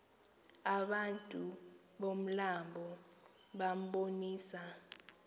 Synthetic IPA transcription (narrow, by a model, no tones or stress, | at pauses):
aɓantʼu | ɓom̩lambʱɔ | ɓam̩ɓoniːsa